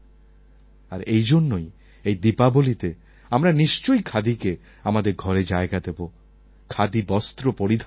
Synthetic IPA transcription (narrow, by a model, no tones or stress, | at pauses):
aɾejd͡ʑonːoj | ejd̪ipabolit̪e | amɾaniʃt͡ɕojkʰad̪ike | amad̪eɾɡʱɔɾed͡ʑaeɡad̪ebo | kʰad̪ibɔst̪ɾopoɾid̪ʱ